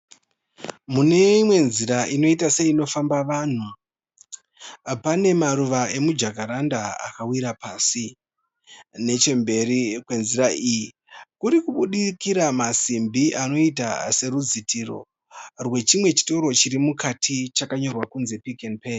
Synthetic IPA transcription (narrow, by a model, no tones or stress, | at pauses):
mune̞imwe̞nziɾaʔino̞itase̞ino̞fambaʋaːn̤u | pane̞maɾuʋae̞mud͡ʒakaɾandaa̰kawiɾapaːsi | ne̞t͡ʃe̞mbe̞rikwe̞nziɾaʔiji | kuɾikuɓuɗikiɾamasimbiʔano̞ita̰se̞ɾud͡zitʰiro̞̰ | rwe̞t͡ʃimwe̞t͡ʃi̥to̞ɾo̞t͡ʃiɾimukatʰit͡ʃakaɲo̞rwakunze̞pikenpe